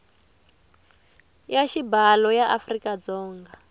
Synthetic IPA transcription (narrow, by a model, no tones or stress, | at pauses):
jaʃibalɔjaʔafrikad͡zɔːŋɡa